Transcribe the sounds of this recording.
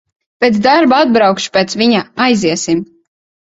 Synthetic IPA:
pʲet̪sd̪aɾbaad̪̚bɾɑwkʃu̥pʲet̪sviɲaajziɛsim

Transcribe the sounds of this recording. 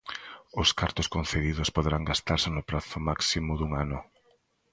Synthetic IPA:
ʊskaɾt̪ʊskon̟θeðiðʊspoðeɾaŋɡast̪aɾsɪnʊpɾaθʊmaksimʊðuŋanʊ

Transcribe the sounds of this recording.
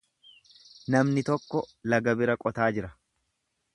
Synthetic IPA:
nɐmnɪt̪ɔkːɔlɐɡɐbɪɾɐkʼɔt̪aːd͡ʒɪɾɐ̥

